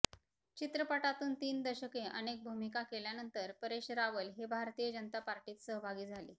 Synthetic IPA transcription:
t͡ɕit̪ɾəpəʈat̪uːnt̪iːnd̪əɕəkeʔənek̚bʱumikakeljanənt̪əɾpəɾeɕɾaʋəlɦebʱaɾt̪ijəd͡ʑənət̪apaɾʈiːt̪səɦbʱaɡiːd͡zʱalḭː

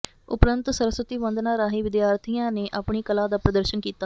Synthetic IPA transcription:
ʊpɾənt̪səɾəsʋət̪iːʋənd̪nãːɾaːɦiːʋɪd̪jaːɾt̪ʰijãːneːʔaːpɳiːkəlaːd̪aːpɾəd̪əɾʃənkiːt̪aː

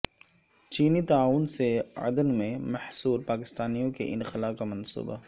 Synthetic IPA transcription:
t͡ʃiːnit̪aaːʋʊnseɐ̰d̪ənmẽmɐhsuːɾpaːkɪst̪aːnijõkḛʔɪnxɪlaːqːamɐnsṵːba̰

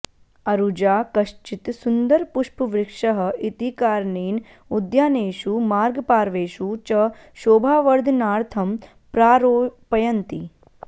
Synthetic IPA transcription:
ɐɾud͡ʒaːkɐʃt͡ʃit̪sund̪ɐɾpuʃpʋɾɪkʂɐɦə̆it̪ikaːɾneːn | ud̪jaːneːʃumaːɾɡpaːɾʋeːʃut͡ʃɐ | ʃoːbʱaːʋɐɾd̪naːɾt̪ʰɐm | pɾaːɾopɐjɐnt̪i

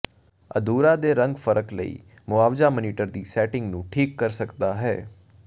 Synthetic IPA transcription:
ə̰d̪uːɾãːd̪eːɾə̃ŋɡfʰəɾəklə̰ḭː | mʊaːʋzaːməniːʈəɾd̪iːsɛːʈɪ̃ŋɡnũːʈʰiːkːəɾsəkd̪aːɦɛː

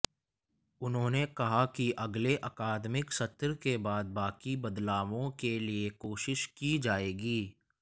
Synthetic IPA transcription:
ʊnɦõːnekɐɦakiʔɐɡleʔɐkaːd̪mɪksɐt̪ɾkebaːd̪̚baːkibɐd̪laːʋõkeliekoːʃɪʃkid͡ʒaːeːɡiː

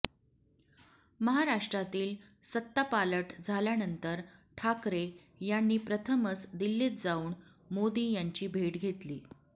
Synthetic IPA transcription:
məɦaɾaʂʈɾat̪iːl | sət̪ːapaləʈd͡zʱaljanənt̪əɾʈʰakɾe | janːiːpɾət̪ʰəmət͡sd̪ilːiːt̪̚d͡zauːɳ | mod̪iːjaɲt͡ɕiːbʱeʈɡʱet̪liː

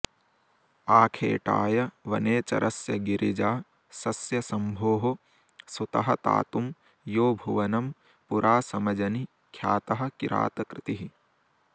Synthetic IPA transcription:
aːkʰḛːʈa̰ːjɐʋɐneːt͡ʃɐ̰ɾʔɐsjɐɡiɾʔid͡ʒaː | sɐsjɐsɐmbʱoːɦo | sut̪ɐɦɐt̪a̰ːt̪um | joːbʱuʋɐnɐm | puɾʔaːsɐmɐd͡ʒɐni | kʰjaːt̪ɐɦɐ̆kiɾʔa̰ːt̪ɐkɾɪt̪iɦi

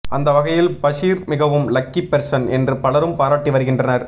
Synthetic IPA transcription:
ɐnd̪ɐʋɐɣɐjɪlbɐʂiːɾmɪɣɐʋɯmlɐkːipːɛɾsɐnɛndrɯpɐɭɐɾɯmpaːɾaːʈːiʋɐɾɯɣɪndrɐnɐɾ

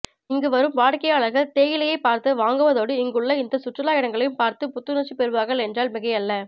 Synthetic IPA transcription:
ɪŋɡɯʋɐɾɯmʋaːɽkɐjaːɭɐɾɣɐt̪eːjɪlɐjɐɪpaːɾt̪ɯʋaːŋɡɯʋɐðoːɽɯɪŋɡɯɭːɐɪnd̪ɐsʊʈrɪlaːjɪɽɐŋɡɐɭɐjɯmpaːɾt̪ɯpʊt̪ːɯnɐt͡ʃːɯpɛɾɯʋaːɾɣɐɭɛndraːlmɪɣɐjɐlːɐ

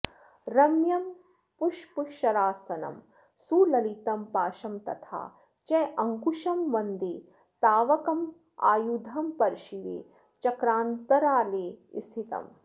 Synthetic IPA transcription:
ɾɐmjɐm | puʃpuʃɐɾaːsɐnɐ̰m | sulɐlit̪ɐmpaːʃɐmt̪ɐ̰t̪ʰa̰ː | t͡ʃɛʔɐŋkuʃɐmʋɐnd̪eː | t̪aːʋɐkɐm | a̰ːjud̪ʱɐmpɐɾʃiʋḛː | t͡ʃɐkɾaːnt̪ɐɾaːleːḭst̪ʰit̪ɐ̰m

